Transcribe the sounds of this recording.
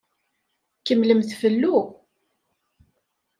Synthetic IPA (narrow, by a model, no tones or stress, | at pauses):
kəmləmθfəlːu